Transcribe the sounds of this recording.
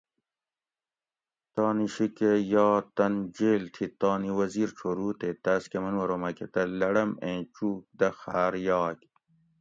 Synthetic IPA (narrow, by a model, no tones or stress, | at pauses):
t̪ɑːniɕikejɑːt̪ɐnd͡ʑeːlt̪ʰit̪ɑːniwɐziːɾʈ͡ʂʰoɾuːt̪et̪aːskɐmɐnwɐɾoːmɐket̪ɐlɐɽɐmẽːt͡ɕuːk̚d̪ɐxaːɾjɑːk